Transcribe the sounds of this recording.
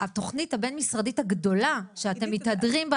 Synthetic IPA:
ato̞χnithabe̞nmisʁaditaɡdo̞laʃeate̞mːitadʁimb

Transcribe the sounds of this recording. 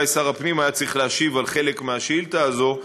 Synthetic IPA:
esaʁapnimajat͡sʁiχleaʃivalχe̞le̞kmeaʃilt̪aːzo̞

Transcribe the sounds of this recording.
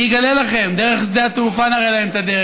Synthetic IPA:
iɡalelaχe̞md̪eʁeχsd̪eat̪ufanaʁejlaemt̪ad̪e

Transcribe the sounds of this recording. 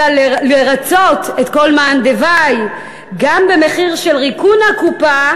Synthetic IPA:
alleʁat͡sotetko̞lmand̪evaj | ɡambe̞me̞χiʁʃelʁikunakupa

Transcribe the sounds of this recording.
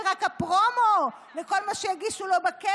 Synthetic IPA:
ʁakapʁomo | veko̞lmaʃejaɡiʃulo̞bake

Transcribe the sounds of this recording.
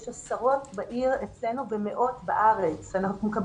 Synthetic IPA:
ʃasaʁo̞tbaʔiʁet͡sle̞nuvemeʔo̞t̪baʔaʁet͡sanaχnumekab

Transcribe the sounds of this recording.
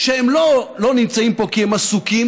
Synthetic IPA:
ʃeemlolo̞nimt͡saimpo̞kihemasukim

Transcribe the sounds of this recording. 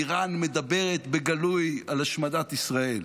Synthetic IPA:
iʁanmed̪abe̞ʁet̪beɡalujalaʃmadat̪isʁael

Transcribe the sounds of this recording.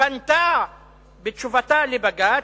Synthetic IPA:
anta | bet͡ʃuvatalebaɡa

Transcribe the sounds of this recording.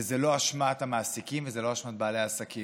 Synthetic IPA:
ezelo̞aʃmat̪hamaːsikimvezelo̞aʃmat̪̚baːlejaːsaki

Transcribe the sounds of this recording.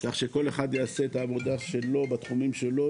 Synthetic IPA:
kaχʃe̞ko̞le̞χad̪jease̞ːt̪aːvo̞d̪aʃe̞lo̞bat̪χumimʃe̞lo̞

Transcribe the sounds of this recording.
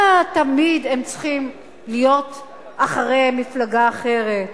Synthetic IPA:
at̪amidemt͡sχim | lijo̞t̪ | aχaʁejmiflaɡaːχe̞ʁet̪

